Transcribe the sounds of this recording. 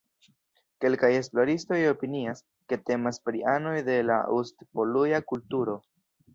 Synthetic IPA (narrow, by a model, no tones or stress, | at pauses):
ke̞lkaje̞sploɾisto̞jo̞pinias | ke̞te̞maspɾiano̞jde̞la̰ustpo̞lujakultuɾo̞